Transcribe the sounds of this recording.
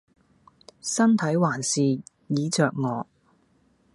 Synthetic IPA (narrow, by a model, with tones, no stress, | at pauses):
sɐ˥nt̪ʰɐ˨˥jwaː˨˩nsiː˨ | jiː˨˧t͡sœː˨k̚ŋɔː˨˧